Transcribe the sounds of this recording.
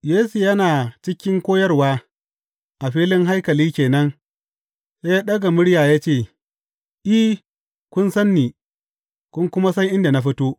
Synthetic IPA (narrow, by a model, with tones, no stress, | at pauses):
jeː˦su˨jɐ˦naː˨t͡ʃɪ˦kʲɪ˦ŋkʷoː˦jɐ˦rwaː˦ | ʔa˨ɸiː˦lɪ˦ŋɦa˦jkɐ˨liː˦kʲeː˨nɐ˦ŋ | sa˦jaː˦ɗɐ˦ɡa˨mʊ˦ɽjaː˨ja˦t͡ʃeː˦˨ | ʔi˦ | kʷʊ˦nsɐ˦nːiː˨ | kʷʊ˦ŋkʷʊ˦ma˦sɐ˦jʔɪ˦nda˨na˦ɸɪ˦toː˦